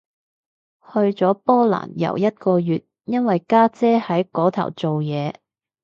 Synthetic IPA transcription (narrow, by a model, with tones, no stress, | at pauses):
hɵ˧ɥt͡sɔː˨˥pɔː˥la̰ː˨˩njɐ̰˨˩wjɐ˥t̚kɔː˧jyː˨t̚ | jɐ˥nwɐ˨jkaː˥t͡sɛː˥hɐ˨˥jkɔː˨˥t̪ʰɐ̰˨˩wt͡so˨wjɛː˨˧